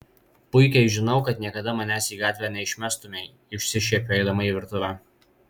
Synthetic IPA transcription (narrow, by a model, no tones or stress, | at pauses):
pʊɪkʲɛɪʒʲɪnɒʊkɐt̪nʲiɛkɐd̪ɐmɐnʲæːsiːɡɑːt̪ʲʋʲæːnʲɛɪʃʲmʲæːst̪ʊmʲe | ʊʃʲsʲɪʃʲɛːpʲoːɛɪd̪ɐmɐiːʋʲɪɾt̪ʊʋʲæː